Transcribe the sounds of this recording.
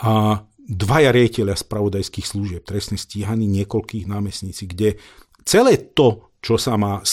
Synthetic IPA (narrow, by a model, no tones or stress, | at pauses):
a | d̪ʋajaɾɪaɟicɛʎɪaspɾaʋɔd̪ajskiːxsluʒɪɛp̚t̪ɾɛsnɛsciːɦaniːɲɪɛkɔlkiːɣnaːmɛsɲit͡siɡɟɛ | t͡sɛlɛːt̪ɔ | t͡ʃɔsamaːs